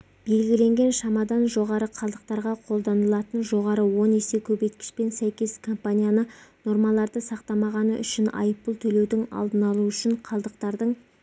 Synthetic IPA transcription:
b̥e̞lɡʲɪle̞ŋɡʲe̞nʃɑmɑd̪ɑnʒo̞ʁɑɾəqʰɑlˠd̪əq̚t̪ɑɾʁɑqʰo̞lˠd̪ɑnəlˠɑt̪ənʒo̞ʁɑɾəwo̞nese̞kʲʰɵbe̞jt̪̚kʲɪ̥ʃpe̞nsæjkʲe̞skʰo̞mpanʲijanəno̞ɾmɑlˠɑɾd̪əsɑq̚t̪ɑmɑʁɑnəʔʏ̰ʃɪnɑ̰jəpːəlˠt̪ʰɵle̞wd̪ɪŋɑ̰lˠd̪ənɑlˠuʏʃɪɴqʰɑlˠd̪əq̚t̪ɑɾd̪əɴ

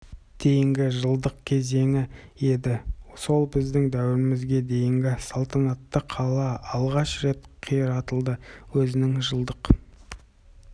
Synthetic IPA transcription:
d̪̥e̞jɪŋɡʲɪʒəlˠd̪əqkʲʰe̞ze̞ŋɪe̞d̪ɪso̞lˠbɪzd̪ɪŋd̪æwɪɾɪmɪzɡʲe̞d̪e̞jɪŋɡʲɪsɑlˠt̪ʰɑnɑt̪ːəqʰɑlˠɑɑlˠʁɑʃɾe̞t̪qʰijəɾɑt̪əlˠd̪əwɵzɪnɪŋʒəlˠd̪əq

